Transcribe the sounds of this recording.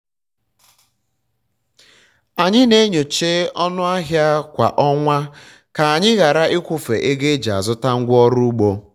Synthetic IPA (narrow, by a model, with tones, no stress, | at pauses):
a˨ɲɪ˦ne˦ɲo˨t͡ʃe˦ɔ˦nʊ˦a˦ɦja˦kʷa̰˨ʔɔ˦ŋʷa˦ | ka˨a˨ɲɪ˦ɣa˨ɾa˦ʔɪ˦kʷʊ˦fḛ˨ʔe˦ɡe˦d͡ʒa̰˨zʊ˦ta˦ŋ̩˦ɡʷɔ˦ɾu˦u˦ɡ͡bo˦